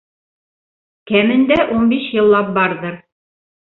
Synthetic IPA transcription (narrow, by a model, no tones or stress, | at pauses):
kæmɘ̆nd̪æʔunbiʃjɤ̆lˠːɑp̚bɑɾðɤɾ